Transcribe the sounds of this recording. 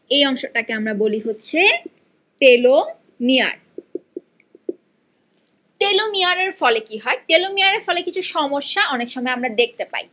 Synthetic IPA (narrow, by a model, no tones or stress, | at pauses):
ejɔŋʃoʈakeamɾaboliɦotːɕʰe | ʈelo | mia̰ɾ | ʈelomiaɾeɾfɔlekiɦɔeʈelomiaɾeɾfɔlekit͡ɕʰuʃɔmoʃːaʔɔnekʃɔmɔeamɾad̪ek̚t̪epa̰i